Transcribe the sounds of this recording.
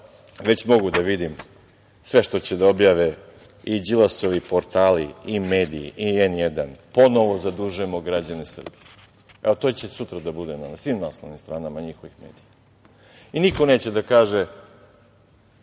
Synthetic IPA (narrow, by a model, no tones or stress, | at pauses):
ʋe̞t͡ɕmo̞ɡud̪aʋid̪im | sʋe̞ʃt̪ot͡ɕed̪ao̞bjaːʋe | id͡ʑilaso̞ʋipo̞ɾt̪aːlḭime̞ːd̪ijḭʔienjed̪anpo̞no̞ʋozad̪uʒuemoɡɾad͡ʑanesr̩bije | eot̪ot͡ɕesut̪ɾad̪abud̪enanasʋiːmnaːsnoʋnimst̪ɾaːnamaɲixo̞ʋixmḛːd̪ija | iniko̞neːt͡ɕed̪akaːʒe